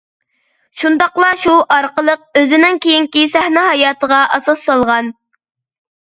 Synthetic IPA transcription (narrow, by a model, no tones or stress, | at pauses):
ʃund̪ɑqlˠɑʃuʔɑɾqəlˠəq̚øzɪnɪŋkʲejiŋkʲisæhnɛhɑjɑːt̪ʰəʁɑʔɑsɑsːɑlˠʁɑn